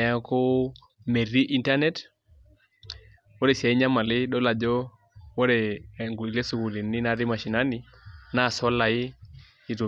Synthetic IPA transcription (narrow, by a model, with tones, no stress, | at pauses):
a˦ko˦ | me˨ɾi˦ʔi˨nta˦nɛ˦t | wɔ˦ɾɛ˨si˨a˨i˦ɲa˦ma˨li˦ɗɔ˦la˨d͡ʒɔ˦ | wɔ˦ɾɛ˨ŋɡu˨i˨le˦su˨ku˨li˨ni˦na˨ɾi˦ma˨ʃi˨na˦ni˦ | na˦˨sɔ˦la˨i˦ | i˨tu˨